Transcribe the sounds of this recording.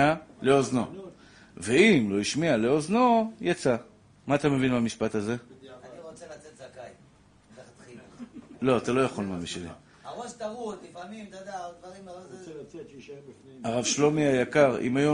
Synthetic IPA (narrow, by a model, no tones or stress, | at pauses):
ale̞ozno̞ | ve̞imlo̞iʃmiale̞o̞zno̞jat͡sa | maːt̪ame̞vinbamiʃpat̪aze̞aniʁot͡selat͡set̪zakaj | taat̪χilo̞at̪alo̞jaχo̞lmamiʃelḭ | aʁoʃt̪aʁutlifamimt̪ad̪ald̪vaʁim | aʁavʃlo̞miajakaʁḭmajo